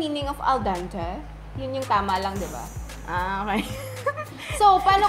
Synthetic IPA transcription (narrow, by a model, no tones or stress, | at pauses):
miːnɪŋɔfɐ̰ld̪ant̪ɐ | jʊnjʊŋt̪aːmɐlɐŋd̪ɪba̰ | ʔaokaj | sopaːno